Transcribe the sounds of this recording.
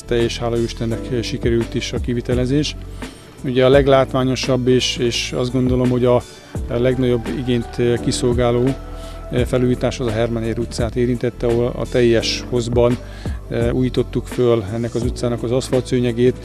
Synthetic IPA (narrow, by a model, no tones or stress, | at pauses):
t̪ɛːʃhaːlɒyʃt̪ɛnːɛkʃikɛɾylt̪iʃɒkivit̪ɛlɛzeːʃ | uɟɛɒlɛɡlaːt̪ʋaːɲo̞ʃɒbːeʃeːʃɒzd̪ɡo̞nd̪o̞lo̞mho̞ɟɒ | lɛɡnɒɟo̞bːḭɡeːnt̪kiso̞lɡaːloː | fɛluːjiːt̪aːʃɒzɒɦɛrmɒneːɾut̪saːt̪eːɾint̪ɛt̪ːɛoɒ̰t̪ɛjːɛʃho̞zbɒn | uːjiːt̪o̞t̪ːukfølɛnːɛkɒzut̪saːnɒkɒzɒsfɒlt̪søːɲɛɡeːt̪